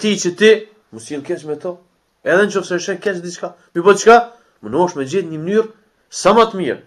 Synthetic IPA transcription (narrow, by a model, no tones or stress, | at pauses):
t̪it͡ʃət̪i | məsilˠkɛt͡ʃmɛt̪ɔ | ɛðɛnt͡ʃɔfsɛʃɛkɛt͡ʃd̪it͡ʃka | mibɔt͡ʃka | mənɔʃmɛd͡ʑiθɲəmənyɾ | samat̪miɾ